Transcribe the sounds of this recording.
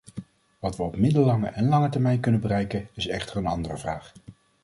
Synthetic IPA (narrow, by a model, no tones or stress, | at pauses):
ʋɑtʋəɔpmɪdəlɑŋə̰ʔɛnlɑŋətɛɹmɛjnkɵnəbərɛjkənɪsɛχtəɹənɑndərəvraːχ